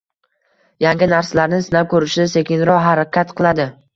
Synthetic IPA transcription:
jaŋɡʲɪnaɾsalaɾnɪsɪnawkʰɵɾɪʃɪse̞kʲɪnɾɒɦaɾakʲʰat̪qʰɨlˠad̪ɪ

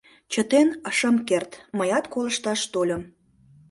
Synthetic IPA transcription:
t͡ɕət̪enəʃəmkert̪məjɑt̪koləʃt̪ɑʃt̪olʲə̆m

